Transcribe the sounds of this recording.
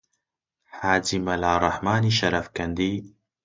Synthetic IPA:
haːd͡ʒimɐlaːrˤɐħmaːniːʃɐɾɐfkɐnd̪iː

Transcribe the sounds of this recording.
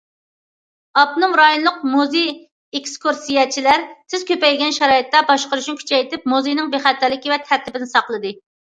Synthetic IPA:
ɑbnumɾɑjonlˠʊq̚muzi | ekskʰuɾsijɛt͡ʃʰilæɾsɪz̥kʲøpɛjɡʲɛnʃɛɾɑːjɨt̪ːɛbɑʃqəɾuʃnɪkʲʰy̥t͡ʃʰɛjt̪ɪp̚muzijnɪŋbeχɛt̪ʰːɪɾlːɪkʲivɛt̪ʰæɾt̪ʰɪbɪnɪsɑqlˠɨd̪ɨ

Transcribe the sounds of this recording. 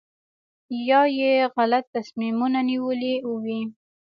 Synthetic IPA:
jɑjeɣalat̪ːasmimunaniwəliuwi

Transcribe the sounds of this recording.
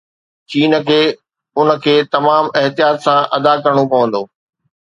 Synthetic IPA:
t͡ɕiːn̆kʰeː | ʊnə̆kʰeːt̪ɐmaːmɪɦt̪ijaːt̪sãʔɐd̪akɐɾəɽ̃opɐʋə̃nd̪oː

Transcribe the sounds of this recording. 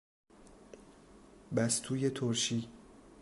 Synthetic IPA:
bæst̪ʰuːjet̪ʰoɾʃiː

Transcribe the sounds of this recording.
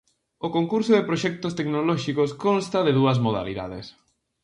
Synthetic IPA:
okoŋkuɾsʊðepɾoʃɛk̚t̪ost̪eknolɔʃikoskonst̪ɐðɪðuɐzmoða̰lḭða̰ðḛs

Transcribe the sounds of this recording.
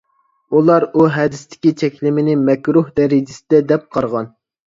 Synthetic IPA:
ulˠɑɾuɦɛd̪ɪst̪ʰɪ̥kʲit̪ʰɛkʲlɪmɪnɪmɛkʲɾuhd̪ɛɾɪd͡ʒɪsɪd̪ɛd̪ɛp̚qʰɑɾʁɑn

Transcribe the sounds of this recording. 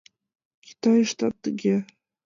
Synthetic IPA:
kʲʰi̥t̪ɑjʂt̪ɑt̪ːəɡʲe

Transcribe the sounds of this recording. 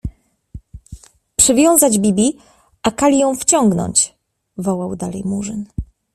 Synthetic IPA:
pʂɘvʲjɔ̃w̃zad͡ʑbʲibʲi | akalʲijɔ̃w̃ft͡ɕɔ̃ŋɡnɔ̰̃ɲt͡ɕ | vɔwawd̪alɛ̰jmuʐɘn

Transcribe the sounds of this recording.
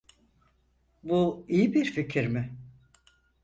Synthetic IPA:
buijibiɾficʰiɾmɪ

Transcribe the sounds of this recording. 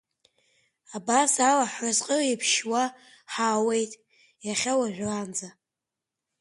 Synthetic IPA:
abasalaħazqʼəipʰʃwa | ħaːwe̞jtʼ | jaχʲawaʒᶣand͡za

